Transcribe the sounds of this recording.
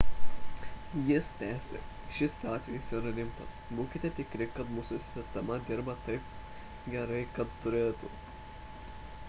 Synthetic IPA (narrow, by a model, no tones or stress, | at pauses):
jɪst̪ʲæːsʲḛ | ʃʲɪsʲɑːt̪ʲʋʲɛjisiːɾɐlʲɪmpɐsbuːkʲɪt̪ʲeːt̪ʲɪkɾʲɪkɐt̪muːsʊsʲɪsʲt̪ʲɛmɐd̪ʲɪɾbɐt̪ɐɪp | ɡʲɛɾɐɪkɐt̪t̪ʊɾʲeːt̪u